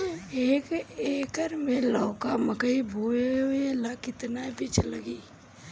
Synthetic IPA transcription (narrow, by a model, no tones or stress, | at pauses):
ekeːkəɾmẽlɔːkaməkəibʱoːeeelakɪt̪nabɪt͡ʃʰlɐɡiː